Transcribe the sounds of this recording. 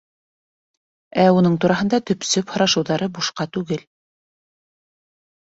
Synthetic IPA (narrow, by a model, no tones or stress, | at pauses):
æunɤɴt̪uɾɑɦɤ̆nd̪ɑt̪ɵ̆psɵphŏɾɑʃɤ̆wðɑɾɤbuʃqɑt̪ʉɡɘl